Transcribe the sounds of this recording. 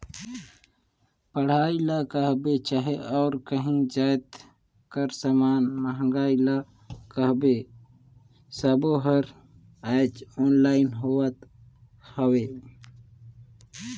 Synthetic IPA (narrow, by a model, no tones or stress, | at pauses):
pəɽ̤aːilakəɦbet͡ʃaɦeʔɔːɾkəɦĩd͡ʒaːjt̪ | kəɾsamaːnməɦə̃ŋɡaːila | kəɦbe | səboɦəɾ | aːt͡ʃɔːnlaːɪnɦoːwət̪ | həweː